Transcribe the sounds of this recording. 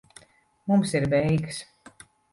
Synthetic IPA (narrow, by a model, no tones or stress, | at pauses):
mumsiɾbɛjks